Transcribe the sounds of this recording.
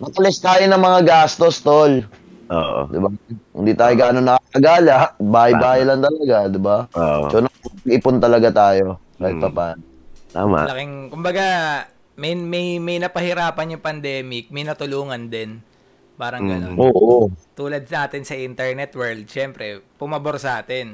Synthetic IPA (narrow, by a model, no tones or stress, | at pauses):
mɐt̪ɐlɛst̪aːjonɐŋmɐŋaɡaːst̪ost̪ol | ʔo̰ːʔo̰d̪ɪbahʊ̰nd̪iːt̪aːjoɡaːnonːɐkaɐɡaːlaʔbaːhɐjbaːhɐajlɐnt̪ɐlɐɡad̪ɪbaoʔo̰sonɐɐpɐɡ̚ɪpont̪ɐlɐɡat̪aːjo̞kaːhɪt̪̚pɐpaːnot̪a̰ːma̰lɐkɪŋkʊmbɐɡa | mɐjmɐjmɐjnɐpɐhɪɾaːpɐnjʊŋpɐnd̪ɛːmɪk̚mɐjnɐt̪ʊluːŋɐnd̪ɛn | paːɾɐŋɡɐnoʔoːʔot̪uːlɐd̪̚sɐaːt̪ɪnsɐʔint̪ɛɹnɛt̪wɛɹld̪̚ʃɛmpɾɛpʊmɐboɾsɐʔaːt̪ɛn